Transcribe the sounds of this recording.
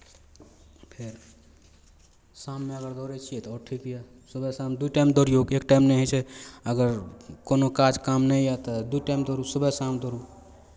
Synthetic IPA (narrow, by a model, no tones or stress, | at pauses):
pʰeɾ | samːeəɡəɾd̪ɔɾɛt͡ʃʰijɛt̪ɔɔɾʈʰikɦija | səbɛsamd̪uʈajmd̪ɔɾijoɡekʈaɪmnɛɦət͡ʃʰɛəɡəɾkonokad͡ʒkamnɛjat̪ɔd̪ujʈaɪmd̪ɔɾusəbɛsamd̪ɔɾu